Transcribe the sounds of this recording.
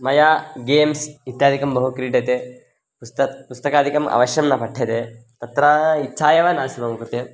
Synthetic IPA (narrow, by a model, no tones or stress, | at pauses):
mɐjaːɡeːmsit̪jaːd̪ʱikɐmbɐɦukɾiːɖɐt̪e | pust̪ɐpust̪ɐkaːd̪ʱikɐmʔɐ̰ʋɐʃjɐmnɐpɐʈʰːɐt̪et̪ɐt̪ɾɐitːʃʰaːjɐʋɐnaːsibɐmukut̪e